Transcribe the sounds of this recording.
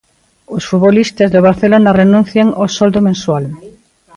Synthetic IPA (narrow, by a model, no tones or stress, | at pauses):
ʊsfuβolist̪azðoβ̞aɾθelonarenũnθjaŋosɔld̪omẽnswal